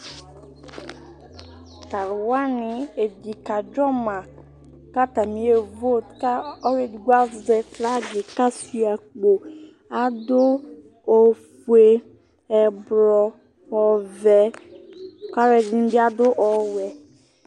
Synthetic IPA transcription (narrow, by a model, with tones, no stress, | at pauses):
ta˨ɾwa˦nɪ˨e˨d͡ʒi˨ka˨d͡ʒɔ˦mã˨ | ka˦ta˨mĩ˨˦e˨vo˦˨tka˦ɔ˦ɾe˦dɡa˦˨zɛ˨tla˦d͡ʒɪ˨ka˦si˦a˨k͡po˨ | a˨dʊ˦ | o˨fu˦e˨ | ɛ˨bɾɔ˨ | ɔ˨vɛ˨ | ka˦ɾɛ˨di˨˦n˦bɪ˦a˦dʊ˦ʔɔ˨wɛ˨